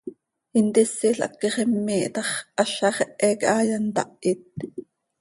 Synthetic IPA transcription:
int̪isːiɬʔɑ̰kːiχɛmːiːʔt̪ɑχʔɑɬɑχɛʔɛːkʔɑːjɑnt̪ɑ̰ʔit̪̚

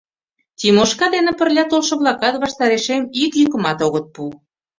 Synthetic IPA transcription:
t̪ʲimoʃkɑd̪enĕpə̆rlʲɑt̪olʃɤ̆βlˠɑkɑt̪βɑʃt̪ɑɾeʃemikjykə̆mɑt̪oɣɤ̆t̪̚pu

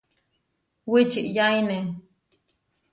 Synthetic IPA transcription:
wit͡ʃiʔjajne

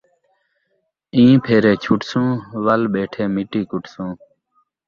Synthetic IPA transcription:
ĩːpʰeːɾeːt͡ɕʰʊʈsũːʋəlɓeːʈʰeːmɪʈiːkʊʈsũː

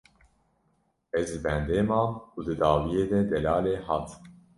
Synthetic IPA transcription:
ɛzd̪ɨbɛnd̪eːmɑːuːd̪ɨd̪ɑːwijeːd̪ɛd̪ɛlɑːleːhɑːt̪

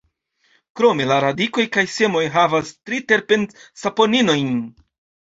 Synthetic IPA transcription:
kɾo̞me̞laɾadiko̞jkajse̞mo̞jɦavastɾite̞ɾpe̞nsapo̞nino̞jn

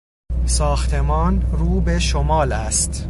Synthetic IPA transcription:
sɒːxt̪ʰe̞mɒːnruːbe̞ʃomɒːlæst̪

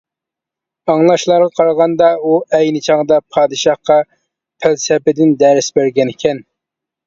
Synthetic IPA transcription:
ɑŋlˠɑʃlˠɑɾʁɑqʰɑɾʁɑnd̪ɑuɛjnɪt͡ʃʰɑʁd̪ɑpʰɑːd̪ɨʃɑχqɑ | pʰælsɛpɪd̪ɪnd̪ɛɾɪsbæɾɡʲɛnɪkʲʰɛn

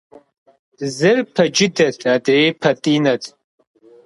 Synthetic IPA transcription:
zɨrpʰɐd͡ʒɪdɐtʰʼadepʰɐtʼinɐtʼ

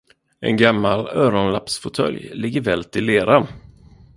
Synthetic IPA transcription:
ʔɛ̰nɡamːalœːɾɔnlapsfʊt̪ʰœ̰ljlɪɡːəɾvɛːlt̪ʰɪlːeːɾa

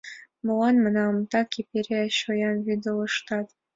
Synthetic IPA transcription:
mŏlɑnmɤ̆nɑmt̪ɑkʲepeɾʲeɕojɑnβid̪əlɤ̆ʃt̪ɑt̪

